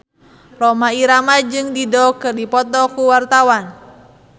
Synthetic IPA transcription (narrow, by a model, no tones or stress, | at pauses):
rɔmaiɾamad͡ʒɨŋdidɔkɨrdipɔt̪ɔkuwart̪awan